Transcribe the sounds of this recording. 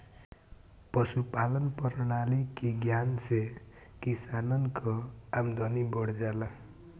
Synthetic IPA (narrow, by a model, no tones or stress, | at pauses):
pʌsupalʌnpʌɾnalikiɡjansekisanʌnkʰoamd̪ʱʌnibʌɽd͡zala